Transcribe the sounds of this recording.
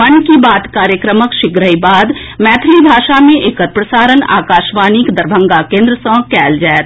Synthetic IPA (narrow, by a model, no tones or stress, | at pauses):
ənkibaːt̪kaːɾjəkɾəməkʃɪɡɾəibaːd̪ | mɛːt̪ʰlibʱaːʃamẽʔeːkət̪̚pɾəsaːɾəna̰ːkaːʃʋaːnikd̪əɾbʱə̃ŋɡakẽːnd̪ɾəsə̃kɛːld͡ʒaːet̪